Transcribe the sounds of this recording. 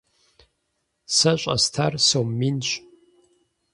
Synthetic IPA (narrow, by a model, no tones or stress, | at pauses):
sɐɕʷʼɐ̰stʰarsowmːint͡ʃʼ